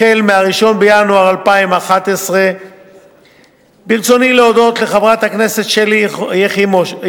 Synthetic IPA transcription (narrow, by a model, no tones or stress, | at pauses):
elmeaʁiʃo̞nbejanuaʁalpaimaχat̪esʁe | biʁt͡so̞nileodo̞t̪le̞χavʁat̪hakne̞se̞t̪ʃelijeχimo